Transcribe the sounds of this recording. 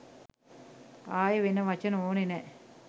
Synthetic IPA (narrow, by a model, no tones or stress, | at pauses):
aːjəʋenəʋat͡ʃənəoːnenɛ